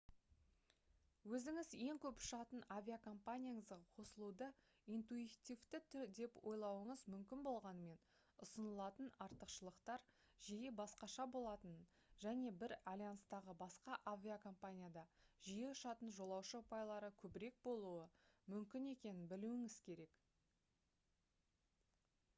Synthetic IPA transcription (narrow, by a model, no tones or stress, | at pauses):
wɵzɪŋɪzje̞ŋkʲʰɵpʊ̥ʃɑt̪ənavʲijakʰo̞mpanʲijaɴəzɑqʰo̞səlˠud̪ə | ijnt̪uit̪ijvt̪ɪt̪ʰʏɾd̪e̞pwo̞jlˠɑwəɴəzmʏmkʲɪnbo̞lˠʁɑnəme̞n | ʊsənəlˠɑt̪ənɑɾt̪əqʃəlˠəqt̪ɑɾ | ʒijebɑsqɑʃɑbo̞lˠɑt̪ən | ʒ̥æne̞bɪɾalʲijanst̪ɑʁəbɑsqɑʔavʲiakʰompanʲijad̪ɑʒije̞ʊʃɑt̪ənʒo̞lˠɑwʃəʊpɑjlˠɑɾəkʲʰɵbɪɾe̞k̚bo̞lˠuəmʏmkʲɪne̞kʲe̞nɪnbɪluɪŋɪz̥kʲʰe̞ɾe̞k